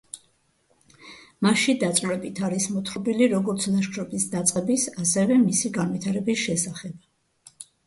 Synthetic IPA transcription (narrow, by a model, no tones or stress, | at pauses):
maʃid̪at̪sʼɾɛbit̪ʰaɾismɔt̪ʰχɔbiliɾɔɡɔɾt̪sʰlaʃkʰɾɔbisd̪at̪sʼqʼɛbisasɛvɛmisiɡanvit̪ʰaɾɛbisʃɛsaχɛb̥